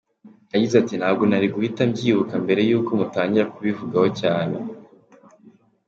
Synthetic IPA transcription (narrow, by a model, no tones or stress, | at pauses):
aɟizatin̥haːb̚ɡo̞naɾiɡuhitamɟiːβukambe̞ɾe̞juːko̞mutaːɲɟiɾakuβivuɡaho̞caːne